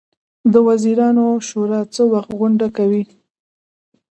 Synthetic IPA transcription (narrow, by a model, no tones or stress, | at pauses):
d̪əwaziɾɑnoʃoɾɑt͡səwaxt̪ɣʊɳɖakawi